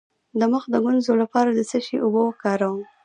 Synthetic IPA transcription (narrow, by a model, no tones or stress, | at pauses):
d̪əməxd̪əɡʊnzolapɑɾad̪əsəʃiʔʊbokɑɾawum